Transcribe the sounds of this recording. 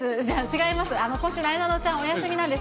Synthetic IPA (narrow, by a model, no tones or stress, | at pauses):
sɨd͡ʑaːt͡ɕiɡaimasɨano̞kõɕɨnaid̪anot͡ɕãɰ̃ojasɨmʲinãnd̪e̞s